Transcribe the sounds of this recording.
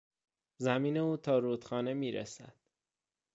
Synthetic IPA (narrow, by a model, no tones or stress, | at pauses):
zæmiːne̞uːt̪ʰɒːɾuːt̪xɒːne̞miːɾæ̰sæ̰d̪̥